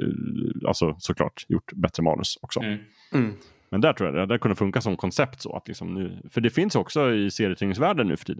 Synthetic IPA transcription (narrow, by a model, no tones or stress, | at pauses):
a̰lsɔsɔkʰlɑ̰ːʈjʊ̰ʈːbɛt̪ɾəmɑ̰ːnɵ̰sɔksɔ̰ | mɛnd̪ætʈʰɾuːja̰d̪ɛd̪æɾkʰɵnːəfɵŋkasɔmkʰɔnsɛpt̪sɔ̰a̰t̪lɪ̰ksɔmnʉ̟ːfœɖɛfɪnsjɔksɔɪseːɾjət̪ʰɪnɪŋsvæːɖənːʉ̟ːfœ̥ʈʰiːd̪ən